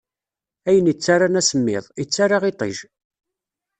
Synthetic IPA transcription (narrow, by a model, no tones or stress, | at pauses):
æjənət͡sːaɾanæsəmːɪ̰ðˤit͡sːaɾaʁit̪ˤḭʒ